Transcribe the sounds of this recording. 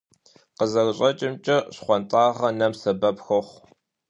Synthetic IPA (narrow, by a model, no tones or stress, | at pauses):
qəzɐrɕʼɐt͡ʃʼɪmt͡ʃʼɐɕχʷɔntʼaːʁɐnɐmsɐbɐpxoχʷ